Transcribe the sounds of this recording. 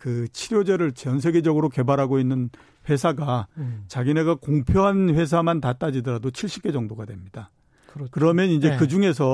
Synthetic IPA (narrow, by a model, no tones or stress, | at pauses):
kɯt͡ɕʰiɾjod͡ʑeɾɯɭt͡ɕeʌns̬ʰe̞ɡe̞d͡ʑʌɡɯɾoke̞baɾɦaɡoinːɯn | ɸwe̞sʰaɡat͡ɕaɡine̞ɡakoŋpʰjoɦanɸwe̞s̬ʰamantat͈ad͡ʑidʌɾadot͡ɕʰiɭɕ͈i̥k͈e̞d͡ʑʌŋdoɡadwe̞mɲida | kɯɾʌmjʌnind͡ʑe̞kɯd͡ʑuŋe̞s̬ʰʌ